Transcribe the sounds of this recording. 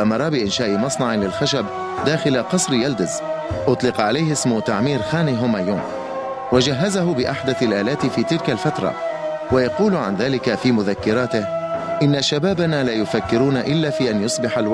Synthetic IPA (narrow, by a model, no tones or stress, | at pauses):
ʔamɑɾˤɑbɪʔɪnʃaːʔɪmɑsˤnɑʕɪlɪlxaʃab | d̪aːxɪlaqɑsˤɾjald̪ɪzʔʊt̪ˤlɪqɑʕalajhɪsmʊt̪aʕmiːɾxaːniɦʊmajuːn | wad͡ʒaɦːazaɦʊbɪʔaħd̪aθalʔaːlaːt̪ɪfiːt̪ɪlkalfat̪ɾˤɑ̰ | wajɑquːlʕa̰nðaːlɪkafiːmʊðakːɪɾaːt̪ɪhʔɪnːaʃabaːbanaːlaːjʊfakːɪɾuːnaʔɪlːaːfiːʔanjʊsˤbɪħalw